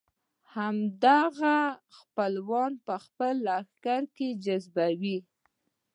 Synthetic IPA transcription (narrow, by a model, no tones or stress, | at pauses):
hamd̪aɣaxpəlwɑnpəxpəlaxkaɾked͡ʒazbawi